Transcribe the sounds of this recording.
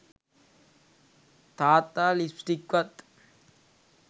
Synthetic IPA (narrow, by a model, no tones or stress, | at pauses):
t̪aːt̪ːaːlispʈikwɐt̪